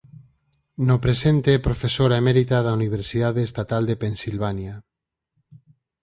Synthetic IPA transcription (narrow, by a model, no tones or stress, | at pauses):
nopɾesent̪eɛpɾofesoɾaemeɾit̪aðauniβ̞eɾsiðaðeːst̪at̪ald̪epensilβ̞anja